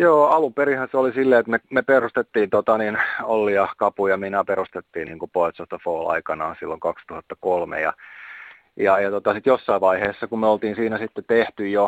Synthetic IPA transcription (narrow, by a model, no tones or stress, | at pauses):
joːɑlumperihɑnseolisilːeːet̪memeperust̪et̪ːiːnt̪ot̪ɑninolːiɑkɑpujɑminæperust̪et̪ːiːnḭːŋkupoet̪sost̪ɑfoːlɑ̰ikɑnɑːsilːoŋkɑkst̪uhɑt̪ːɑkolmḛjɑ̰ | jɑjɑt̪ot̪ɑsit̪josːɑiʋʋɑiheːsːɑkummeolt̪iːnsiːnæsit̪ːet̪eht̪yjjo